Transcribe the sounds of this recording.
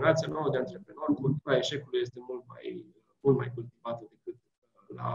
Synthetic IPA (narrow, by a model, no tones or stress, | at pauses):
ɾat̪sianowəd̪eant̪ɾe̞pɾe̞no̞rkult̪uɾae̞ʃe̞kuluje̞st̪e̞mult̪ma̰j | mult̪ma̰jkult̪ivat̪əd̪e̞kɨt̪ | la̰